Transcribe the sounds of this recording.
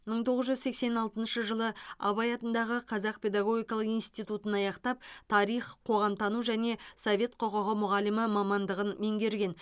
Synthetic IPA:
məɴt̪ʰo̞ʁəzʒʏzse̞kse̞nɑlˠt̪ənʃəʒəlˠəɑ̰βɑjɑt̪ənd̪ɑʁəqʰɑzɑq̚pʰʲe̞d̪ɑɡo̞ɡʲijkɑlˠəqijnst̪ijt̪ut̪ənɑjɑqt̪ɑp̚t̪ʰɑɾijχqʰo̞ʁɑmt̪ʰɑnuʒæne̞sovʲe̞t̪qʰoqoʁəmʊʁɑləməmɑmɑnd̪əʁənme̞ŋɡʲe̞ɾɡʲe̞n

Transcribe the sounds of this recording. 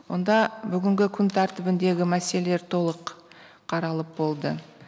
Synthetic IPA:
wo̞nd̪ɑbʏɡʲɪŋɡʲɪkʲʰʏnt̪ʰæɾt̪ɪbɪnd̪e̞ɡʲɪmæselele̞ɾt̪ʰo̞lˠəq | qʰːɑɾɑlˠəp̚bo̞lˠd̪ə

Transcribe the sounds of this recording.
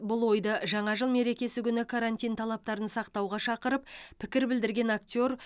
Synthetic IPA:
bʊlˠwo̞jd̪ɑʒɑɴɑʒəlˠme̞ɾe̞kʲe̞sɪkʲʏnɪkʰaɾant̪ijnt̪ʰɑlˠɑp̚t̪ɑɾənsɑqt̪ɑwʁɑʃɑqəɾəppʰɪkʲɪɾbɪld̪ɪɾɡʲe̞nak̚t̪ʲo̞ɾ

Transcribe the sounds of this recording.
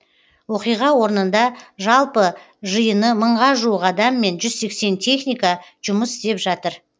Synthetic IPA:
wo̞qijʁɑwo̞ɾnənd̪ɑʒɑlˠpə | ʒəjənəməɴʁɑʒuwəqɑd̪ɑmːe̞nʒʏzse̞kse̞nt̪ʰe̞χnijkaʒ̥ʊməsɪ̥st̪e̞pʒɑt̪əɾ

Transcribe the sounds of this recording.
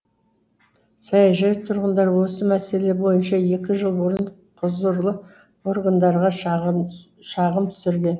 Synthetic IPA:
sɑjɑʒɑjt̪ʰʊɾʁənd̪ɑɾwo̞səmæse̞le̞bo̞jənʃɑe̞kʲɪʒəlˠbʊɾən | qʰʊzʊɾlˠə | o̞ɾɡənd̪ɑɾʁɑ | ʃɑʁəmt̪ʰʏ̥sɪɾɡʲe̞n

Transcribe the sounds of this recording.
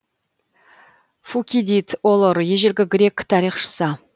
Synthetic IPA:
fukʲid̪it̪ʰolˠoɾjeʒelʲɡʲɪɡʲɾʲe̞kʲt̪ʰɑɾiχʃə̥sə

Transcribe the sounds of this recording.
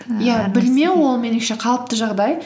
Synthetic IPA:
jabɪlme̞wolˠmenɪʃe̞qʰɑlˠəp̚t̪əʒɑʁd̪ɑj

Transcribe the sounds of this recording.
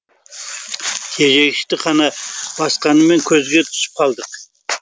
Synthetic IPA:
kʲʰe̞ʒe̞ɡʲɪʃt̪ɪqʰɑnɑb̥ɑsqɑnəme̞ŋkʲʰɵzɡʲe̞t̪ʰʏ̥sɪ̥p̚qʰɑlˠd̪əq

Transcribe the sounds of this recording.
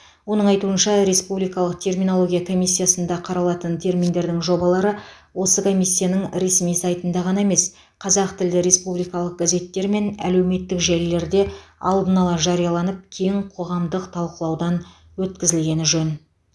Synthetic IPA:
wo̞nəɴɑjt̪uənʃɑɾe̞spublijkɑlˠəqt̪ʰe̞rminoo̞ɡʲijakʰo̞mijsʲːijasənd̪ɑqʰɑɾɑlˠɑt̪ənt̪ʰe̞ɾmind̪e̞ɾd̪ɪŋʒo̞bɑlˠɑɾə | wo̞səkʰo̞mʲijsʲːijanəŋɾe̞smijsɑjt̪ənd̪ɑʁɑnɑeme̞s | qʰɑzɑqt̪ɪld̪ɪɾe̞spublijkɑlˠəq̚ɡ̥aze̞t̪ːe̞ɾme̞næ̰le̞wme̞t̪ːɪkʒelle̞ɾd̪e̞ɑ̰lˠd̪ənɑlˠɑʒɑɾijɑlˠɑnəp̚kʲʰe̞jŋqʰo̞ʁɑmd̪əqt̪ʰɑlˠqəlˠɑwd̪ɑn | wɵt̪kʲɪzɪlɡʲe̞nɪʒɵn

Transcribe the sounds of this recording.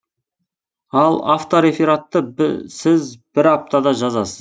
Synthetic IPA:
ɑlˠa̰ft̪oɾe̞fiɾat̪ːəsɪzbɪɾap̚t̪ɑd̪ɑʒɑzɑsəz

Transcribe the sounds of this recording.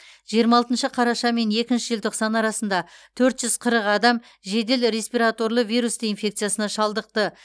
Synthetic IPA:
ʒ̥ijəɾmɑlˠt̪ənʃəqʰɑɾɑʃɑme̞ne̞kʲɪnʃɪʒɪlt̪ʰo̞qsɑnɑɾɑsənd̪ɑt̪ʰɵɾt̪ʒ̥ʏz̥qʰəɾəqɑd̪ɑm | ʒe̞d̪e̞lɾe̞spijɾat̪o̞rlˠəvijɾusd̪einfʲe̞kt̪sɨjasənɑʃɑlˠd̪əq̚t̪ə

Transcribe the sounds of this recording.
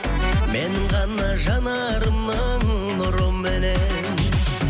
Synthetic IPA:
menɪŋʁɑnɑʒɑnɑ | ɾəmnə | ɴ | nʊɾombɪne | m

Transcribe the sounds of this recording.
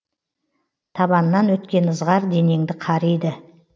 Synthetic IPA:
t̪ʰɑbɑnːɑnwɵt̪kʲe̞nəzʁɑɾd̪e̞ne̞ŋd̪ɪqʰɑɾejd̪ɪ

